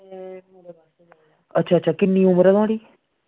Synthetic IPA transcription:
ətːʃʰaːtːʃʰaːkɪnːĩːʊməɾəd̪ãːɽiː

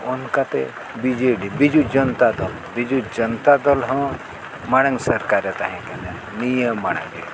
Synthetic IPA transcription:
unkat̪ḛ | bid͡ʒeɖibid͡ʒud͡ʒənt̪ad̪ɔl | bid͡ʒud͡ʒənt̪ad̪ɔlɦɔ̃ | maɽ̃əŋsɐɾkaɾet̪aɦɛ̃kẽd̪a | nijəmːaɽ̃ã̰ŋi

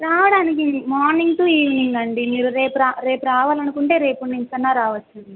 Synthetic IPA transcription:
ɾaːʋɐɽaːnik̬imaːɾniŋɡʈuːiːʋniŋɡɐɳɖimiːɾuɾe̞ːpuɾaːɾe̞ːpuɾaːʋaːlɐnukuɳʈe̞ːɾe̞ːpunɖiɲpɐnːaːɾaːʋɐt͡ʃːund̪i

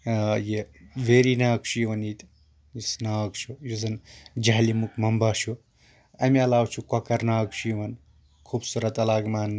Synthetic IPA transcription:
jeʋeɾinaːkʃʰujʋɐnit̪ | jisnaːkt͡ʃʰujuzɐnd͡ʒaɦlimukmɐmbaːʃu | ɐmiɐlaːwt͡ʃʰukɐkɐɾnaːkʃʰujʋɐn | kʰuːbsuɾɐt̪ɐlaːɡmaːn

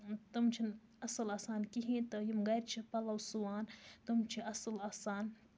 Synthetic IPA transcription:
t̪ɐmt͡ʃʰin | ɐsɨlaːsaːnkiɦĩt̪ɨjimɡɐjɾt͡ʃʰipɐlɐwsuwaːnt̪umt͡ʃʰiɐsɨlaːsaːn

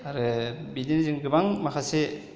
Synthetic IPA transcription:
aɾɯbidinziŋɡɯbaŋmakʰase

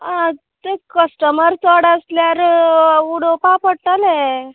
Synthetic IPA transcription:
ã | t̪ekəsʈəməɾt͡səɽəsljaɾuɽopapəɽ̚t̪ale

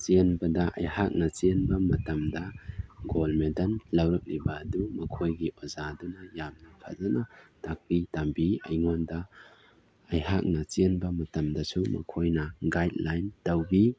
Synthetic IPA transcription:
t͡ʃenbɐdɐʔɐ̰jhak̚nɐt͡ʃenbɐmɐtɐmdɐɡolmedɐnlɐwɾɐk̚nibɐdumɐkʰojɡiʔozadunɐjamnakʰa̰zanatak̚pitambiɐ̰jŋɔndɐ | ɐjɦak̚nɐt͡ʃenbɐmɐtɐmdɐsumɐ̰kʰojnɐɡajt̚lajntɐwbi

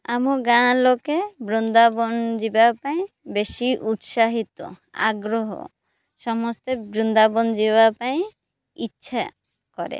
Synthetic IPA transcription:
amoɡãlokebɾund̪abɔnd͡ʑibapaẽ | beʃiʔut̪ʃaɦit̪o̰ | a̰ɡɾoɦo̰ | ʃɔmɔst̪ebɾund̪abond͡ʑibapaj̃ | itːʃʰa | kɔɾḛ

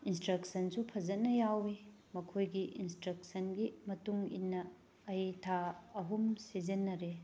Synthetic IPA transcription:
instɾɐk̚sɐnsupʰɐzɐnːɐjawi | mɐkʰojɡiʔinstɾɐk̚sʰɐnɡimɐtuŋḭnːɐː | jtʰaːɦumsizenːɐɾe

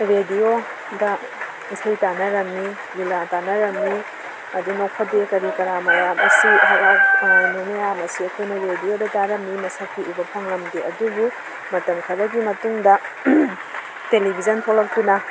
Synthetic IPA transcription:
ɾedio | dɐ | isɐjtanɐɾɐmni | bilatanɐɾɐmni | ɐdunokʰɐdekɐɾikɐɾamɐjamɐsiɦɐɾak̚nunɐjamɐsiɐkʰojnɐɾediodɐtaɾɐmnimɐsakiʔubɐpʰɐŋlɐmdeɐdubu | mɐtɐmkʰɐɾɐɡimɐtuŋdɐ | telibʱizɐnpʰolɐk̚tunɐ

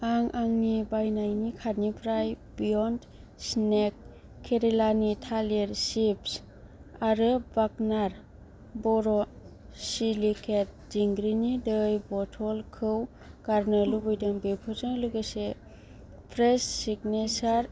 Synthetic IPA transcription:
aŋʔaŋnibajnajnikʰatnipʰɾajbijɔnd | snekʰː | eɾelanitʰaleɾsips | aɾɯbaɡnaɾ | bɔɾɔ | silikʰet̚d͡ʒiŋɡɾinidɯjbɔtʰɔlkʰɯw | kaɾnɯlubɯjdɯŋbepʰɯzɯŋluɡɯse | pʰɾessiɡnesaɾ

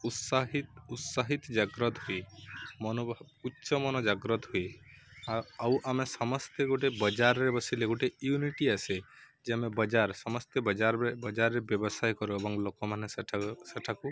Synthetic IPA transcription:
ut̪saɦiut̪saɦit̪d͡ʒaɡɾɔt̪ɦuimɔnobʱbutːt͡ʃɔmɔnɔd͡ʒaɡɾɔt̪ɦui | aawʔamesɔmɔst̪eɡoʈebəd͡ʒaɾːebɔsileɡoʈejuniʈiase | d͡ʒeamebəd͡ʒaɾsɔmɔst̪ebəd͡ʒaɾebəd͡ʒaɾːebjebɔsajkɔɾuebɔŋɡlokɔmaneseʈʰaseʈʰaku

